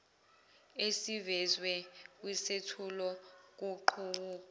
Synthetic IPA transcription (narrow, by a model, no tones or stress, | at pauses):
esivɛzwɛk̬ʼwisetʰulɔk̬uǃʰuuːk